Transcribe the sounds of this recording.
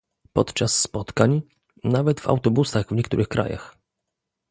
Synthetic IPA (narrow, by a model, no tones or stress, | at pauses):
pɔt̪t͡ʂasːpɔt̪kaɲ | navɛt̪va̰wt̪ɔbusaɣvɲɛkt̪ṵɾɘxkɾa̰ja̰x